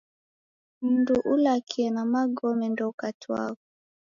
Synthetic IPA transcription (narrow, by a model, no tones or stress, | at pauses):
m̩nduʔulakʰiɛnamaɡɔmɛndɔukatiwa̰kɔ